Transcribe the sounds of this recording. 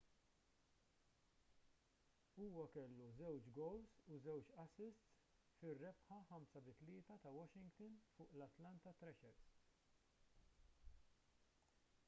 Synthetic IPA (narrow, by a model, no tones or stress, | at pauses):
uːwɐkɛlːuzɛwt͡ʃɡɔwlsuzɛwt͡ʃɐsɪst̪s | fɪrːɛpħɐħɐmsɐbɪt̪lɪːt̪ɐt̪ɐwɔʃɪŋɡt̪ɐnfʊːʔlɐt̪lɐnt̪ɐt̪ɾɛʃɛɾs